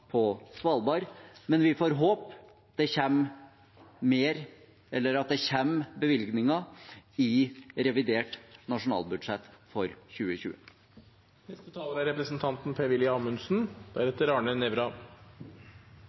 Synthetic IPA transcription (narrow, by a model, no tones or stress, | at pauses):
pʰɔsʋɑːlbɑːɾmɛnʋɪfoːɾɦoːp | d̪ɛçɛm | meːɾ | ɛlːəɾɑt̪̚d̪ɛçɛmbəʋɪlɡnɪŋɑɪɾɛʋɪd̪eːʈnɑʂʊnɑ̰ːlbʉd̪ʂɛt̪ːfɔɾçʉːəçʉ̰ːə | nɛst̪ət̪ʰɑːləɾæɾɛpɾəsn̩t̪ʰɑnt̪n̩pʰeːʋɪljɑmʉnsn̩d̪̥æɾɛt̪ːəɾɑːɳənɛʋɾɑ